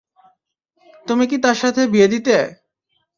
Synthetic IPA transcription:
t̪umik̬it̪aɾʃat̪ʰebied̪it̪e

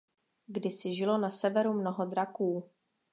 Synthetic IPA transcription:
ɡdɪsɪʒɪlo̞nasɛvɛɾumnoɦo̞d̪ɾakuː

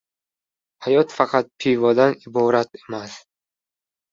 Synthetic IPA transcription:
hajɒt̪faqʰɑt̪̚pʰijvɒd̪anibɒɾat̪emas

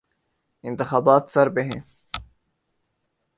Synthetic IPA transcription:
ɪ̃nt̪ɪxaːbaːt̪səɾbeɦẽː

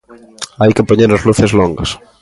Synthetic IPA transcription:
ajkepoɲeɾazluθezloŋɡɐs

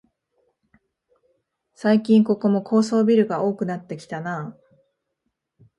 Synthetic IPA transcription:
saikʲĩŋko̞ko̞mo̞kʰo̞ːso̞ːbʲiɾɯ̟ɡao̞ːkɯ̟nat̪ːe̞kʲi̥t̪anaː

